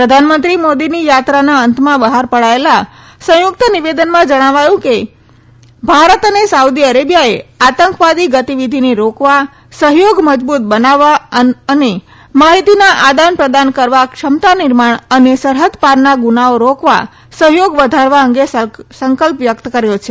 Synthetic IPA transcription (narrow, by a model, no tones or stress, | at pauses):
pɾəd̪ʱanmənt̪ɾimod̪inijat̪ɾanaənt̪ʰmãbəɦaɾpəɭaela | sə̃jʊk̚t̪əniʋed̪ənmãd͡ʒəɽ̃aʋajũke | bʱaɾət̪ənesaud̪iəɾebijaeat̪əŋkʋad̪iɡət̪iʋid̪ʱineɾokʋa | səɦjoɡməd͡ʒbut̪̚bənaʋaəne | maɦit̪inaʔad̪anpɾəd̪ankəɾʋakʃəmt̪anɪɾmaɳ̃ənesəɾɦət̪paɾnaɡunaoɾokʋa̰ | səɦjoɡʋəd̪ʱaɾʋaəŋɡessəŋkəlpʋjəkt̪kəɾjot͡ʃʰe̥